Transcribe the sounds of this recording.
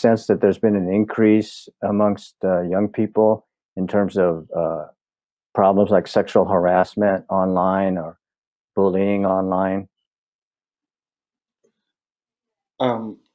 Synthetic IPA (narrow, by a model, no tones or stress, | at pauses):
sɛ̃nsðɨt̪̚ðə˞zbɨ̃nɨ̃nɪ̃nkʰɹ̥isəmʌ̃ŋstʌjʌ̃ŋpʰipl̩ˠ | ɨ̃ntʰɜ̃˞mzʌv̥ʌ | pʰɹ̥ɑblə̃mzlaɪksɛkʃul̩ˠɦə˞æsmɨ̃ntɑ̃nlãɪ̃nə˞ | b̥ʊlˠiɪ̃ŋɑ̃nlãɪ̃n | m